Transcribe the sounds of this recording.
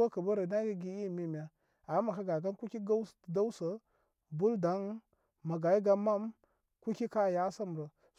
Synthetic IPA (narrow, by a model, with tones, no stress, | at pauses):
a˦kə˨bə˦ɾə˨na˦ɡə˦ɡi˦i˦˨mi˦˨m˨a˦ | a˨˦ma˨ka˦ɡa˨ɡa˦n˦ku˦ki˦ɡa˦˨da˦wsə˨ | bu˦lda˨˦n | ma˨ɡa˨i˦ɡa˦ma˦m | ku˦ki˦ka˦˨ja˦sa˦m˨ɾə˨